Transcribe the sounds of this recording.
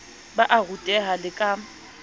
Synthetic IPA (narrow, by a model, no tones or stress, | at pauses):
baʔaɣutʼɛɦalɪkʼa